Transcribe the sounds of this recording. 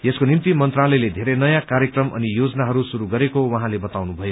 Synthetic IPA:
eskonimt̪imʌnt̪ralʌjled̪ʱeɾʌjnʌjãkaɾjekrʌmʔʌ̰nijod͡zʌnaɦʌɾusuɾuɡʌɾekowʌɦãlebʌt̪awnubʱʌjo

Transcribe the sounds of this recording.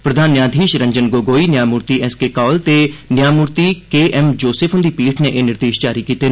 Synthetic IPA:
pɾəd̪ʱaːnːjãːd̪ʱiːʃɾə̃ɲd͡ʒənɡoːɡoːiːnjaːmuːɾt̪iɛskekɔːlt̪enjaːmuːɾt̪ikeːʔɛmd͡ʒoːsɪfʰʊ̃nd̪iːpiːʈʰneʔeːnɪɾd̪eːʃd͡ʒaːɾikiːt̪eː

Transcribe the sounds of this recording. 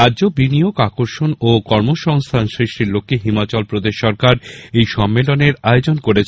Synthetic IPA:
aːd͡ʑobinijoɡakoɾʃonokɔɾmoʃɔŋst̪ʰansɾiʃʈiɾlokʰːiɦimat͡ɕɔlpɾod̪eʃːɔɾkaɾejʃɔmːeloneɾaeod͡ʑonkoɾet͡ɕʰ

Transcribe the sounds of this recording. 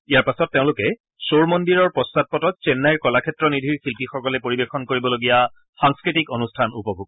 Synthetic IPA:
ijaɹpasɔtːeʊ̃lʊkɛ | soɹmɔndiɹɔɹpɔstat̚pɔtɔt̚t͡ʃɛnːajɹkɔlakʰɛtɹɔnidʱiɹxilpixɔkɔlɛpoɹibexɔnkoɹibɔloɡija | xaŋskɹitikonustʰanupɔbʱuɡ

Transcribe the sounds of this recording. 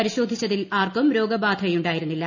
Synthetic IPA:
ɐɾiɕo̞ːd̪ʱːit͡ɕːɐðilaːrkɐmɾo̞ːɡɐbaːd̪ʱɐɐjuɳɖaːjiɾunːilːɐ

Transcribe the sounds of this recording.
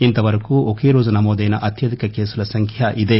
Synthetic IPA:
int̪ɐʋɐɾɐkuokeːɾoːd͡ʒɐnɐmoːd̪ɐjnɐʔɐt̪jɐd̪ikɐkeːsulɐsɐŋkʰjɐʔid̪e̞

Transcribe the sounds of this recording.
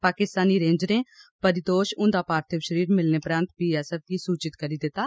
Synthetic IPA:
paːkɪst̪aːniːɾẽːɲd͡ʒɾẽːpəɾɪd̪oːʃʊ̃nd̪aːpaːɾt̪ʰəʋʃəɾiːɾmɪlneːpɾãːnt̪piːɛːsəf̚kiːsuːt͡ʃɪt̪kəɾiːd̪ɪt̪aː

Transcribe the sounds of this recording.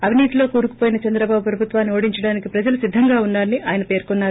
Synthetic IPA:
ɐʋiniːt̪ilo̞ːkuːɾuku̥poːjinɐt͡ʃɐnd̪ɾɐbaːbupɾɐbʱut̪ʋaːnːio̞ːɽiɲt͡ʃɐɽaːnikipɾɐd͡ʒɐlɐsid̪ʱːɐŋɡaːunːaːɾɐnːiʔaːjɐnɐpe̞ːɾkɔnːaːɾuu

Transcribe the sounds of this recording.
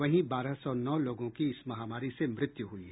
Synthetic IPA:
ɐɦĩbaːɾasɔnɔːloːɡõkiɪsmɐɦaːmaːɾisemɾɪt̪juɦui

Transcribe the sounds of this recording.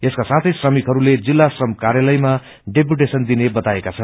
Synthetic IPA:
eskasat̪ʰʌjsrʌmikɦʌɾuled͡zilːasrʌmkaɾjalʌjma | ɖep̬juʈesʌnd̪inebʌt̪aekat͡sʰʌn

